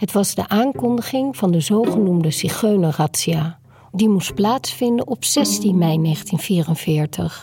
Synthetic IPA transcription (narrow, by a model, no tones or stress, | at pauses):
ɦətʋɑzdə̰ʔaːŋkɔndəχɪŋv̥ɑndəzowχənumdəsiχøɥnəraːtsiaː | dimust̚plaːtsfɪndənɔpsɛstinmɛjnejχəntinv̥iːrənvɪːɹtəχ